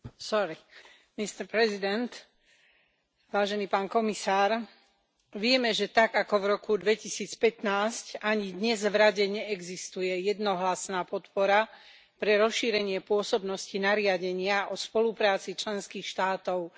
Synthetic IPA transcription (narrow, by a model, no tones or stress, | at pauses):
sɔɾi | mist̪ɛɾpɾɛzid̪ɛnt̪ | ʋaːʒɛniːpaːnkɔmisaːɾ | ʋɪɛmɛʒɛt̪aɡakɔvɾɔkud̪ʋɛcisiːt͡spɛt̪naːscaɲid̪ɲɛzʋɾaɟɛɲɛɛɡzist̪ujɛjɛd̪nɔɦlasnaːpɔt̪pɔɾa | pɾɛɾɔsʃiːɾɛɲɪɛpʊɔsɔbnɔscinaɾɪaɟɛɲɪaʔɔspɔlupɾaːt͡sit͡ʃlɛnskiːxʃt̪aːt̪ɔʊ